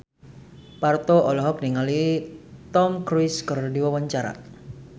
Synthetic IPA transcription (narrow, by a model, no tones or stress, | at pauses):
part̪oʔɔlɔɦɔk̚niŋalit̪ɔmkɾiskərdiwawaɲt͡ʃaɾa̰